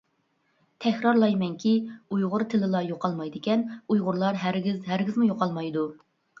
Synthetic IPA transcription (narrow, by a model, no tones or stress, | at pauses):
t̪ʰɛkʲɾɑɾlˠɑjmɛŋkʲiujʁʊɾt̪ʰɪlɪlˠɑjoqɑlˠmɑjd̪ɪkʲɛnujʁʊɾlˠɑɾɦæɾɡʲizɦæɾɡʲizmujoqɑlˠmɑjd̪u